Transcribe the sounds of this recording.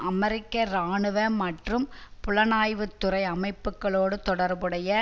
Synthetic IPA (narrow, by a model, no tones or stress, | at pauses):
ʔɐmɛɾɪkːɐɾaːɳɯʋɐmɐʈrɯmpʊɭɐnaːjʋɯt̪ːɯrɐɪɐmɐɪpːɯkːɐɭoːɽɯt̪ɔɽɐɾbɯɽɐjɐ